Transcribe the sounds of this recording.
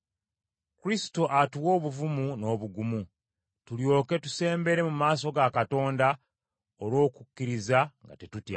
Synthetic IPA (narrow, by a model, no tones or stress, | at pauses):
kuɾisi̥to̞ʔatuwo̞ːβuvumuno̞ːβuɡumu | tuljo̞ːke̞tu̥se̞ːmbe̞ɾe̞mumaːs̬o̞ɡakato̞ːnda | oɾwo̞ːkukːiɾizaŋɡa̰te̞tutja̰